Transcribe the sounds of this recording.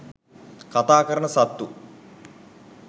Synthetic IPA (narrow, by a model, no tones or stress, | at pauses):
kɐt̪aːkɐɾɐɳɐsɐt̪ːu